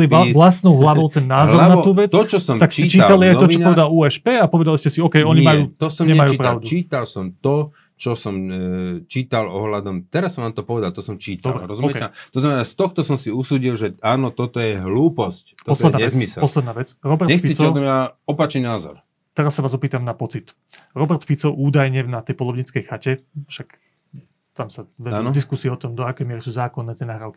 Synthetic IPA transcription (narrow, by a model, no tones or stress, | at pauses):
lialasnɔʊɦlaʋɔʊt̪ɛnːaːzɦlɔɾnat̪uːʋɛt͡st̪ɔt͡ʃɔsɔmt̪aksitt͡ʃiːalaliajt̪ɔt͡ʃɔɲɔʋɛɛd̪aluːɛʃpɛːapɔʋɛd̪aliscɛsiɔkɛjɔɲimajuːt̪ɔsɔmɲɛɲɛmajuːipɾaʊd̪ut͡ʃiːt̪alsɔmt̪ɔ | t͡ʃɔsɔmt͡ʃiːt̪alɔɦlad̪ɔmt̪ɛɾasʋaːmt̪ɔpɔʋɛd̪alt̪ɔsɔmt͡ʃiːt̪ɔlbɾɾɔzumɔmɛkɛɛat̪ɔznamɛnast̪ɔxt̪ɔsɔmsiusuːɟilʒɛaːnɔt̪ɔt̪ɔjɛɦluːpɔsc̪ɔɔsɔlɛdɛaɲɛzmisɛpɔslɛd̪naːʋɛt͡sɾɔbɛɾɲɛxfisict͡sɔɛɔt̪ɔmɲaɔpat͡ʃɲinaːzɔ̰ɾ | t̪ɛɾasːaʋaːzɔpiːt̪amnapɔt͡sit̪ | ɾɔbɛɾt̪fit͡sɔʔuːd̪ajɲɛnat̪ɛjpɔlˠɔʋɲit͡skɛjxacɛfʃak | t̪amsaʋɛd̪nɔd̪iskusiɛɔt̪ɔmd̪ɔakɛjmɪɛɾisuːzaːkɔnːɛːt̪ɪɛnaːɦɾaʊki̥